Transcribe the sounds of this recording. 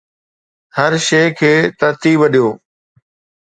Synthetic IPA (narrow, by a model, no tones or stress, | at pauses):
hɐɾʃeːkʰeːt̪ɐɾt̪iːbəɗijoː